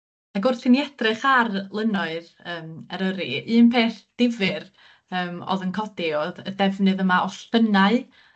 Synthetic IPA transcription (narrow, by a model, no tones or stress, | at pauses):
aɡʊrθɪniɛd̥rɨχarlˠənɔɨð | əːmɛɾəɾiɨːnpʰeːθd̥ɪvɨr | əːmo̰ðənkʰɔdioðədɛvnɨðəmaʔɔstənaɨ